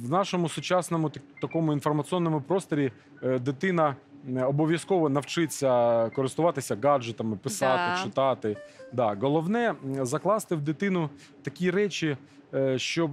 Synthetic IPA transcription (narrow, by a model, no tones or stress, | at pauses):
ʋnɑʃɔmʊsʊt͡ʃɑsnɔmʊt̪ɐkɔmʊinfɔrmɐt̪t͡s̪ʲiɔnːɔmʊpɾɔst̪ɔɾʲi | d̪ɪt̪ɪnɐɔbɔʋʲjɐskɔʋɔnɐwt͡ʃɪt͡sʲːɐkɔɾɪst̪ʊʋɑt̪ɪsʲɐɡɑd͡ʒet̪ɐmɪpɪsɑt̪ɪt͡ʃɪt̪ɑt̪ɪd̪ɑɣɔlˠɔwnɛzɐklˠɑst̪ɪwd̪ɪt̪ɪnʊ | t̪ɐkʲiɾɛt͡ʃʲi | ʃt͡ʃɔb